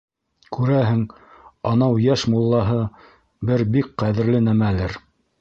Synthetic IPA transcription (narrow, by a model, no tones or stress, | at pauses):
kʉɾæɦɘŋ | ɑnɑwjæʃmulˠːɑɦɤ | bɘɾbik̚qæðɘ̆ɾlɘnæmælɘɾ